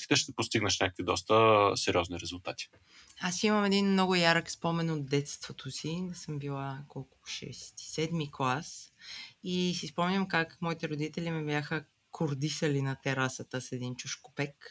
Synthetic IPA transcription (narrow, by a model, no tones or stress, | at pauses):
kʲi̥t̪ɛʃt̪ɛpost̪iɡnəʃnʲakə̥kvid̪ɔst̪əsɛɾʲiɔzniɾɛzulˠt̪at̪i̥ | asiməmɛd̪inmnɔɡʊjaɾəkspɔmɛnot̪̚d̪ɛt̪st̪vot̪ʰosisəmbilˠakɔlˠkʊ̥ʃɛ̰sɛt̪i̥sɛd̪miklˠas | isispɔmnʲəmkakmɔit̪ɛɾod̪it̪ɛlimɛbjaxə | kʰoɾd̪isəlinɐt̪ɛɾasət̪əsɛd̪int͡ʃuʃko̥pɛk